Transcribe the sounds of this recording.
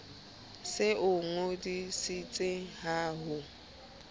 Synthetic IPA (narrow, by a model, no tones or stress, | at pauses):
sɪʔʊŋodisit͡sʼɪɦaːɦʊ